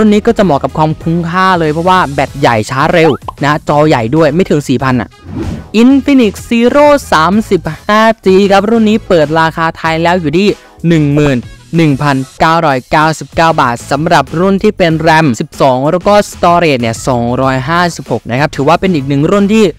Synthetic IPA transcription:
ɾu˥˩nːiː˦˥kɔː˥˩t͡ɕa˨˩mɔː˨˩kːa˨˩p̚kʰwaː˧mkʰu˦˥nkʰaː˥˩lɤː˧jpʰɾɔ˦˥waː˥˩bɛː˨˩t̪̚ja˨˩jt͡ɕʰaː˦˥ɾe˧wna˦˥t͡ɕɔː˧ja˨˩jdu˥˩əjma˥˩jt̪ʰɯ˩˦ŋsiː˨˩pʰa˧nʔa̰˨˩ʔʔi˧nfi˧ni˨˩k̚siː˧ɾoː˥˩saː˩˦msi˨˩p̚haː˥˩t͡ɕiː˧kʰa˦˥p̚ɾu˥˩nːiː˦˥pɤː˨˩t̪̚ɾaː˧xʰaː˧t̪ʰa˧jlɛː˦˥wjuː˨˩t̪ʰiː˥˩ | nɯ˨˩ŋmɯː˨˩nːɯ˨˩ŋpʰa˧nkaː˥˩wɾɔː˦˥jkaː˥˩wsi˨˩p̚kaː˥˩wbaː˨˩t̪̚sa˩˦mɾa˨˩p̚ɾu˥˩nt̪ʰiː˥˩pe˧nɾɛ˧msi˨˩p̚sɔː˩˦ŋɾɛː˦˥wkɔː˥˩st̪ɔː˧ɾeː˨˩t̪̚ni˥˩ɐsɔː˩˦ŋɾɔː˦˥jɦaː˥˩si˨˩p̚ho˨˩k̚na˦˥kʰa˦˥p̚t̪ʰɯː˩˦waː˥˩pe˧nʔiː˨˩k̚nɯ˨˩ŋɾu˥˩nt̪ʰiː˥˩

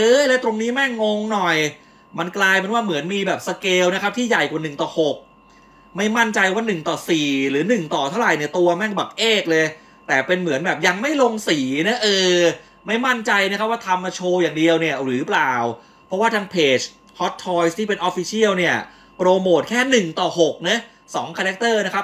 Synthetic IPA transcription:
ɤː˦˥jlɛː˦˥t̪ɾo˧ŋniː˦˥mɛ˥˩ŋːo˧˥ŋnɔ˨˩j | ma˧nklaː˧jma˧nwaː˥˩mɯ˩˦ənmiː˧bɛː˨˩p̚sa˧keː˧wna˦˥kʰa˦˥p̚t̪ʰiː˥˩ja˨˩jka˨˩nɯ˨˩ŋt̪ɔː˨˩ho˨˩k̚ | ma˥˩jma˥˩nt͡ɕa˧jwaː˥˩nɯ˨˩ŋt̪ɔː˨˩siː˨˩ɾɯː˩˦nɯ˨˩ŋt̪ɔː˨˩t̪ʰa˥˩wɾa˨˩jni˥˩ɐt̪u˧ɐmɛ˥˩ŋbaː˨˩ʔeː˥˩k̚lɤː˧j | t̪ɛː˨˩pe˧nmɯ˩˦ənbɛː˨˩p̚ja˧ŋma˥˩jlo˧ŋsiː˨˩na˦˥ʔɤː˧ | ma˥˩jma˥˩nt͡ɕa˧jna˦˥kʰa˦˥p̚waː˥˩t̪ʰa˧mːa˧t͡ɕʰoː˧jaː˨˩ŋdi˧əwni˥˩ɐɾɯː˩˦plaː˨˩w | pʰɔ˦˥waː˥˩t̪ʰaː˧ŋpʰeː˨˩t͡ɕ | hɔ˦˥t̪ʰːɔː˧˥jst̪ʰiː˥˩pe˧nʔɔː˦˥fiː˧sʰi˥˩əwni˥˩ɐ | pɾoː˧moː˨˩t̪̚kʰɛː˥˩nɯ˨˩ŋt̪ɔː˨˩ho˨˩k̚na˦˥ | sɔ̰ː˩˦ŋkʰaː˧ɾɛ˦˥k̚t̪ɤː˥˩na˦˥kʰa˦˥p̚

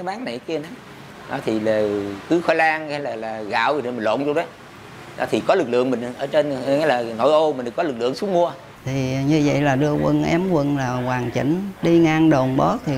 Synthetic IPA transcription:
a˨˦ɓaː˨˦ŋna˨ki˧əna˨˦ | nɔ˨˦t̪ʰi˨˩laː˨˩kɨ˨˦xɔ˧˦jlaː˧ŋaː˧˦laː˨˩laː˨˩ɣa̰ː˧˨wi˨˩˨mï̟˨˩lo̰˧˨nzo˧wɗə˨˦ | ɔ̰˧˩t̪ʰi˨˩kɔ˨˦lɨ˨˩k̚lɨ̰˧˨əŋmï˨˩ŋ˨˩ʔəː˧˩t͡ɕe˧nŋa˨˦laː˨˩no̰˧˨˦jʔo˧mï˨˩n˨˩kɔ˨˦lɨ˨˩k̚lɨ̰˧˨əŋsu˨˦ŋmu˧ə | t̪ʰi˨˩ɲɨ˧və̰˧˨jlaː˨˩ɗɨ˧əkwə̰˧nʔɛ˨˦mkwə˧nlaː˨˩waː˨˩ŋt͡ɕḭ˧˩ŋ̟ɗi˧ŋaː˧ŋɗo˨˩nɓɔ˨˦˥t̚t̪ʰi˨˩

